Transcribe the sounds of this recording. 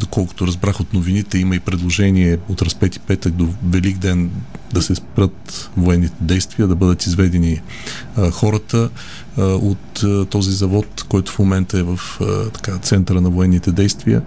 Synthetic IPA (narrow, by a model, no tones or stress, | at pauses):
d̪okɔlˠkʊ̥t̪oɾɐzbɾaxot̪novinit̪ɛiməipɾɛd̪lˠoʒɛniɛot̪ɾɐspɛt̪i̥pɛt̪ək̚d̪ovɛliɡd̪ɛn | d̪ɐsɛspɾət̪voɛnːit̪ɛd̪ɛjst̪viəd̪ɐbɤd̪ət̪izvɛd̪ɛni | xɔɾət̪ə | ot̪t̪ːɔzizɐvɔt̪kɔjt̪ʊ̥fmomɛnt̪əɛvəft̪ɐ̥kat̪sɛnt̪əɾənɐvoɛnːit̪ɛd̪ɛjst̪viə